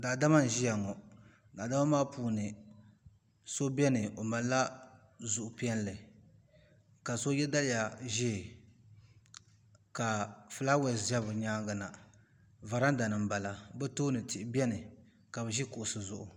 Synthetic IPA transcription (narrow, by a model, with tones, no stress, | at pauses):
da˨da˦ma˦n˨ʒi˦ja˨ŋɔ˨ | da˨da˦ma˦maː˦puː˨nɨ˨ | so˦bɛ˦nɨ˨o˨ma˨la˦ | zʊ˨ʔʊ˨pi˦ɛ˦n˦lɨ˨ | ka˨so˦jɛ˦da˦lɪ˦ja˨ʒɛ˦˨ | ka˨fɨ˨la˦wɛ˨za˦βɨ˨ɲaː˦ɡa˨na˨ | va˨ɾa˦n˦da˨nɨ˨m˨ba˨la˨bɛ˦toː˦nɨ˨ti˨ʔɪ˦bɛ˦nɨ˨ | ka˨bɛ˨ʒi˦kʊ˨ʔʊ˨sɨ˨zʊ˨ʔʊ˨